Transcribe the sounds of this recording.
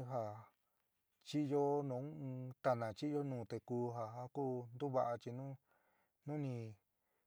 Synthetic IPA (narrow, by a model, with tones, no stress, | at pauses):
ɦa˧ | t͡ʃi˦jo˦nũ˨˦˧t̪a˧nã˨t͡ʃi˦jo˦nũː˨˧t̪e˧kuː˧ɦa˧ɦa˧kuː˦nd̪u˦βa˧ʔa˧t͡ʃi˧nũ˦ | nũ˦nĩ˧